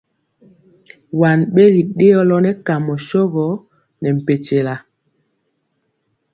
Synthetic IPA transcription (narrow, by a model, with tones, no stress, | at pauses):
wa˨nɓe˦ɣi˨ɗe˦ɔ˦lɔ˦nɛ˦ka˨mɔ˨ʃɔ˦ɣɔ˨˦ | nɛ˨m̩˨pe˨te˨la˨